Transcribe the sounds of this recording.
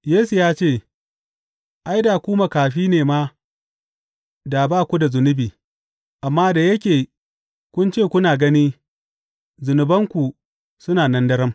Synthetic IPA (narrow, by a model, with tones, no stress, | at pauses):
jeː˦su˨jaː˦t͡ʃeː˦˨ | ʔa˦jda˨kʷuː˦ma˨kaː˨ɸiː˦neː˨ma˦ | da˨baː˦˨kʷu˦da˨zʊ˨nʊ˦biː˨ | ʔa˨mːaː˦da˨jɐ˦kʲeː˨ | kʷʊ˦nt͡ʃeː˦˨kʷʊ˦naː˨ɡɐ˦niː˦ | zʊ˨nʊ˨bɐ˦ŋkʷu˨ | sʊ˦naː˨nɐ˦ndɐ˦ɾɐ˦m